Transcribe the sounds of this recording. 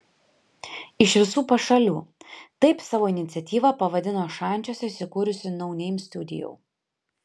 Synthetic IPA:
ɪʃʋʲɪsuːpɐʃɐlʲuːt̪ɐɪpsɑːʋoːɪnʲɪt̪sʲɛt̪ʲiːʋɐpɐʋɐd̪ʲɪnoːʃɑˑnʲt͡ʃʲoːsʲɛɪsʲɪkuːɾʲʊsʲɪnɒʊnʲɛɪmsʲt̪ʲʊd̪ʲɪ̰jo̰ɪ

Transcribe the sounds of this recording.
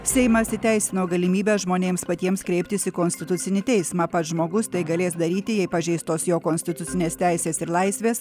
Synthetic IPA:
sʲɛɪmɐsʲɪt̪ʲæɪsʲɪnoːɡɐlʲɪmʲiːbʲɛːʒmoːnʲeːmspɐt̪ʲiɛmskɾʲɛɪpʲt̪ʲɪsɪkoːnʲsʲt̪ʲɪt̪ʊt̪sʲɪnʲɪt̪ʲɛɪsmɑːpɐt̪ʒmoːɡʊst̪ɐɪɡɐlʲeːsd̪ɐɾʲiːt̪ʲɪjɛɪpɐʒʲɛɪst̪t̪oːsjoːkoːnʲsʲt̪ʲɪt̪ʊt̪sʲɪnʲeːst̪ʲæɪsʲeːsɪɾlˠɐɪsʲʋʲeːs

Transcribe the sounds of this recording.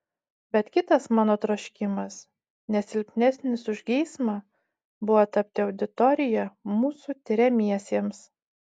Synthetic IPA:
bʲɛt̪kʲɪt̪ɐsmɑːnoːt̪ɾoʃʲkʲɪmɐs | nʲɛsʲɪlʲpʲnʲɛsʲnʲɪsʊʒʲɡʲɛɪsmɑ | bʊʋot̪ɐp̚ʲt̪ʲɪɒʊd̪ʲɪt̪ɔɾʲɪjɛmuːsuːt̪ʲɪɾʲɛmʲiɛsʲiɛms

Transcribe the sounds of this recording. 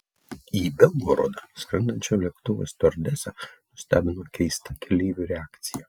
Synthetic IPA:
iːbʲɛlˠɡoɾo̰d̪ɑsʲkɾʲɪnd̪ɐnʲt͡ʃʲoːlʲiɛkt̪ʊʋo̰st̪oɾʲd̪ʲæsʲɛnʊsʲt̪ʲæ̰ːbʲɪnoːkʲʰɛɪst̪ɐkʲʰɛlʲiːʋʲʊɾʲɛaːkt̪sʲɪjɛ

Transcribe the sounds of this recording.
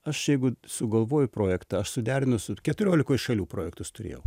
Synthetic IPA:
ɐʃjɛɪɡʊsʊɡɐlˠʋoːjʊpɾoːjɛkt̪ɐɐʃsʊd̪ʲæːɾʲɪnʊsʊkʲɛt̪ʊɾʲoːlʲɪkoːjɪʃɐlʲuːpɾoːjɛkt̪ʊst̪ʊrʲḛːjɛʊ

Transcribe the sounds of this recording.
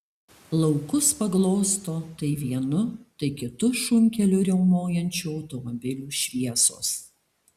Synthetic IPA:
lˠɒʊkʊspɐɡlˠoːst̪oːt̪ɐɪʋʲiɛnʊt̪ɐɪkʲɪt̪ʊʃʊmʲkʲɛlʲʊɾʲɛʊmoːjɛnʲt͡ʃʲuːɒʊt̪ɔmɔbʲɪlʲuːʃʲʋʲiɛso̰ːs

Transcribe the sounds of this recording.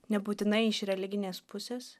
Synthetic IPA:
nʲɛbuːt̪ʲɪnɐɪɪʃɾʲɛlʲɪɡʲɪnʲeːspʊsʲeːs

